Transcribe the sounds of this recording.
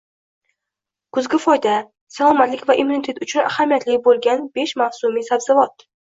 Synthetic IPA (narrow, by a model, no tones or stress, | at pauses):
kʰʊzɡʲɪfɒjd̪a | salˠɒmat̪lɪkʲvaʔimunit̪ʰe̞t̪ʊt͡ʃʰʊna̰hamijat̪ʰlɪkʲbolˠɡʲanb̥e̞ʃmavsumisabzɪvɒt̪